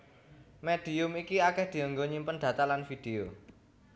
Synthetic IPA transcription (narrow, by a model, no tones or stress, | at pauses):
med̪̥i̤ʊmikiakɛhd̪̥i̤əŋɡoɲimpənd̪̥ä̤t̪alanfid̪̥eo